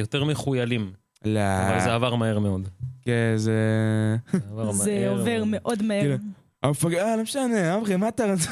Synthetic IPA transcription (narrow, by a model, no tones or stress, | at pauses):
jot̪eʁmeχujalim | lava̰lzeavaʁmaheʁmeo̞d̪keze | zeove̞ʁmeʔo̞d̪maekilu | amfaɡalomeʃane̞amʁemat̪aʁaz